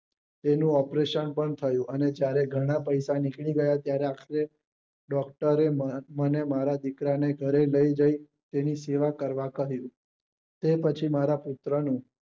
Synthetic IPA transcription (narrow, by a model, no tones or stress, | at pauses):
t̪enũɔpɾeʃənpəɳt̪ʰəjũʔəned͡ʒjaɾeɡʱəɽ̃apəjsanikɭiɡəjat̪jaɾeakʰɾe | ɖɔkʈəɾemənemaɾad̪ikɾaneɡʱəɾeləid͡ʒai | t̪eniseʋakəɾʋakəɦjũ | t̪epət͡ʃʰimaɾapʊt̪ɾənũ